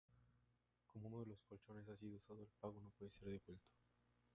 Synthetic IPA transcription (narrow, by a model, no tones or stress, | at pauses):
ko̞mo̞unoðe̞lo̞skolt͡ʃo̞ne̞s̬asiðousað̞oelpaɣo̞no̞pwe̞ðese̞ɾðe̞βwe̞lt̪o̥